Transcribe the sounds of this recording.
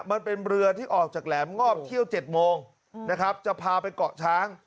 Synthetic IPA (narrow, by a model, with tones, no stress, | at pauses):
ma˧npe˧nɾɯ˧ɐt̪ʰiː˥˩ʔɔː˨˩k̚t͡ɕaː˨˩k̚lɛː˩˦mŋɔː˥˩p̚t̪ʰi˥˩əwt͡ɕe˨˩t̪̚moː˧ŋ | na˦˥kʰɾa˦˥p̚t͡ɕa˨˩ʔpʰaː˧pa˧jkɔ˨˩ʔt͡ɕʰaː˦˥ŋ